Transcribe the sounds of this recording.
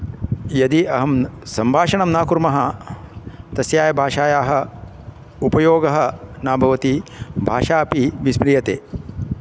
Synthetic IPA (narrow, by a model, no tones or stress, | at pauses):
jɐd̪iɐɦɐmsɐmbʱaːʂɐɳɐmnaːkuɾmɐɦɐ | t̪ɐsjaːjɐbʱaːʂaːjaːɦɐ̆ | upɐjoːɡɐɦɐnaːbʱɐʋɐt̪ibʱaːʃaːpiʋismɾijɐt̪eː